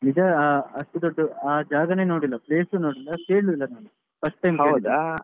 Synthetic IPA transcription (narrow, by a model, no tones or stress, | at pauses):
nid͡ʒɐːɐʂʈud̪oɖːuaːd͡ʒaːɡɐne̞ːno̞ːɽilːɐpleːsuno̞ːɽilːɐkeːɽuilːɐnaːnu | pɐsʈ̚ʈːɐjmkɐeːwild̪